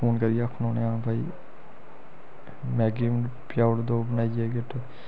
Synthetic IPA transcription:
pʰoːnkəɾijaːkʰːnoːneãːbaːḭː | mɛːɡiːm | pjaːɽd̪oːbənaːid͡ʒɛːɡeʈ

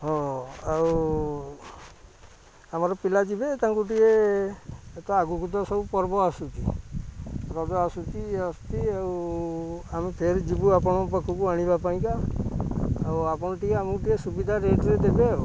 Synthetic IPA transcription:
ɦɔ̃aw | amaɾɔpilad͡ʒibet̪aŋkuʈ̬ieː | t̪ɔaɡukut̪ɔsɔbupɔɾbɔasut̪ḭ | ɾɔd͡ʒɔasut̪iasu̥t̪iaw | amepʰeɾd͡ʒibuapɔɽ̃ɔpɔkʰːukuaɽ̃ibapaĩkaː | wapɔñɔʈieamukʈiesubid̪ʱaɾeʈɾed̪ebe

